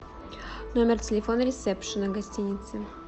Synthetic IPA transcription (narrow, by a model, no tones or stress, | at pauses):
nomʲɪrtʲɪlʲɪfonəɾʲɪsɛpʂɨnəɡɐsʲtʲinʲɪt̪sɨ